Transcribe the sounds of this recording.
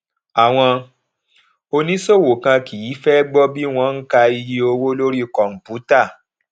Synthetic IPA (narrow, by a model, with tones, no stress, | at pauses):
a˨w̃ɔ̃˧ | o˧nĩ˦so˦˨wo˨kã˧ki˨ji˨˦fɛ˦ɡ͡bɔ˦bi˦w̃ɔ̃˧˦ŋ̩˦ka˧i˧ji˧o˧wo˦lo˦ɾi˦˨kɔ˨m̩˨pu˨˦ta˦˨